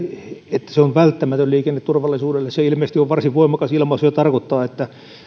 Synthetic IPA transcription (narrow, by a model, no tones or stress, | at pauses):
et̪ːæ̥seonʋælt̪ːæmæt̪ølliːkenːet̪t̪urʋɑlːˑisuːdelːesseilmeˑst̪ioʋʋɑrsiʋʋoimɑkɑsilmɑsyøt̪ɑrkot̪ːɑːet̪ːæ